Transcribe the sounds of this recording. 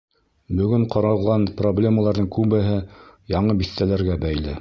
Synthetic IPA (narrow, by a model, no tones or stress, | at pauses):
bɵ̆ɡɵɴqɑɾɑlˠʁɑnproblʲe̞məlˠɑɾðɤŋkʉβɘ̆ɦɘjɑɴɤbiθt̪ælæɾɡæbæjlɘ